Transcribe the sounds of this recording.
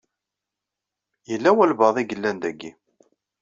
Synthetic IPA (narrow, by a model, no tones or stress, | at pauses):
jəlːæwælbəðˤiɡəlːænd̪æɡːi